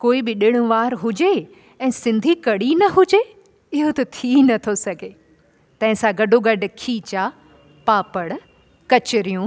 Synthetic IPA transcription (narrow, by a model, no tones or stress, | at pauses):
koːibɪɗɪɽ̃ʊ̆ʋaːɾɦʊd͡ʑe | ɛ̃ːsɪ̃nd̪ʱikɐɽ̤inɐɦʊd͡ʑe | ɪɦot̪ɐt̪ʰinɐt̪ʰosɐɡʱe | t̪ɐ̃ɦɪ̃sãɡɐɖʱoɡɐɖ̆ʱkʰiːt͡ɕaː | paːpəɽ | kɐt͡ɕɪɾijũ